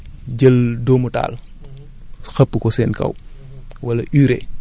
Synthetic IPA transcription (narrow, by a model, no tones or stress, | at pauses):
ɟɐldɔmuta̰ːl | xɐpːəkɔsɛːnkɐ̰w | wɐlɐʔyːɾɛ